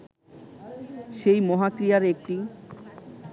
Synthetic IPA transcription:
ʃejmɔɦakɾijaɾek̚ʈi

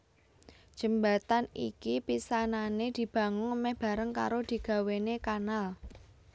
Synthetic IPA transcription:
d̥ʒ̥ə̤mbat̪anḭkipisananed̪̥i̤b̥ä̤ŋʊŋmɛhb̥a̤ɾəŋka̰ɾod̪̥i̤ɡ̥a̤wenekanal

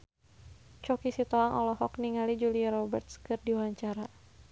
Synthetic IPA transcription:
t͡ʃɔkisit̪ɔaŋʔɔlɔhɔkniŋalid͡ʒuliaɾɔbɛrt̪̚skɨrdiwaɲt͡ʃaɾa

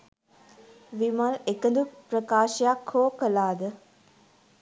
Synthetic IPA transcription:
ʋimalekəd̪upɾəkaːʃəjakhoːkəlaːd̪ə

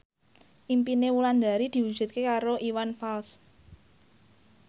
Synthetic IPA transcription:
ʔimpinewuland̪a̤ɾid̪̥i̤wud̥ʒ̥ṳt̪̚kekaɾoʔiwanfals

